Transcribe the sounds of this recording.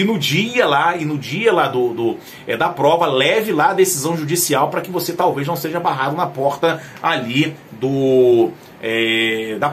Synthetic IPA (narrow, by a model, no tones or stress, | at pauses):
ɪnʊd͡ʒiɐlaɪnʊd͡ʒiɐlad̪ʊd̪ʊ | ɛd̪ɐpɾɔvɐlɛvɪlaɐd̪esizɐ̃w̃ʒud͡ʒisiawpɾɐkɪvoset̪awveznɐ̃w̃seʒɐabaɦad̪ʊnɐpɔɾt̪ɐalid̪ʊ | ɛd̪ɐ